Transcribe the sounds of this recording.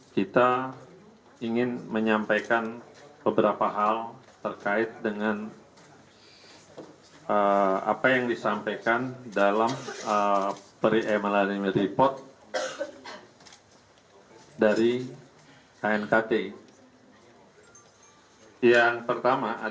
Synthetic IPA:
kit̪a | iŋɪnməɲampajkanb̥əbəɾapaɦalt̪ərkaɪt̪̚dəŋan | əa̰pajaŋdisampajkandalaməpəɾiʔɛmalaniməɾipɔrt̪̚ | daɾi | kaɛnkat̪e | jaŋpərt̪amaʔa

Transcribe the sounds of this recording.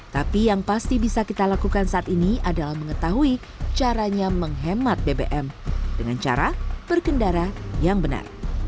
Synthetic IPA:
t̪apijaŋpast̪ibisakit̪alakukansaʔat̪iniadalahməŋət̪aɦui | t͡ʃaɾaɲaməŋɦemat̪̚debeʔɛmdəŋant͡ʃa̰ɾab̥ərkəndaɾajaŋbəna̰r

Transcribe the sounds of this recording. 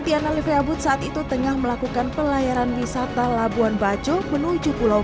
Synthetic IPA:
dianalifeabʊt̪̚saʔat̪it̪ut̪əŋahməlakukanpəlajaɾanwisat̪alabuanbad͡ʒomənud͡ʒupulaw

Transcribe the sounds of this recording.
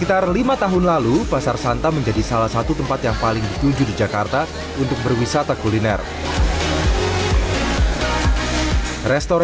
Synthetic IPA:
səkit̪arlimat̪aɦʊnlalupasarsant̪aməɲd͡ʒadisalahsat̪ut̪əmpat̪jaŋpalɪŋdit̪uɲd͡ʒudid͡ʒakart̪a | unt̪ʊk̚bərwisat̪akulinɛ̰r | rɛst̪ɔɾ

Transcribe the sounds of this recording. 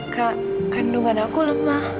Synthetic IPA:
ka | kanduŋanakuləmah

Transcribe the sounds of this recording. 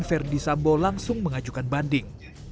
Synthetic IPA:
nfɛrdisambolaŋsʊŋməŋad͡ʒukanbandɪŋ

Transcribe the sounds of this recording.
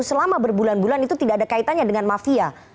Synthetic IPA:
səlamabərbulanbulanit̪ut̪idaːdakait̪anɲadəŋanmafia

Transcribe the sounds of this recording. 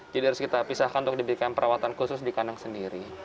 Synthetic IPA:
d͡ʒadiaɾʊskit̪apisahkanunt̪ʊk̚dibɾikanpəɾʔawat̪ankusʊsdikanaŋsəndiɾi

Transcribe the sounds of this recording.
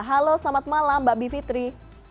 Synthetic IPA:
ɦalosamat̪̚malambaʔbifit̪ɾi

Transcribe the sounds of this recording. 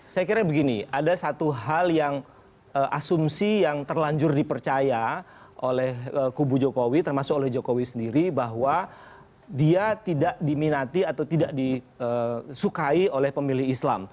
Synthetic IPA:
sajakiɾabəɡiniʔadasat̪uɦaljaŋ | əʔasumsijaŋt̪ərlaɲd͡ʒʊrdipərt͡ʃaja | ʔolɛhəkubud͡ʒokowit̪ərmasʊk̚olɛhd͡ʒokowisəndiɾibaɦwa | diat̪idaʔdiminat̪iat̪awt̪idaʔdi | əsukaiolɛhpəmilɪhisla̰m

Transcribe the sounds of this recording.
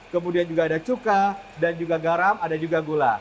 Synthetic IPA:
kəmudiand͡ʒuɡaːdat͡ʃukadand͡ʒuɡaɡaɾamadad͡ʒuɡaɡola̰

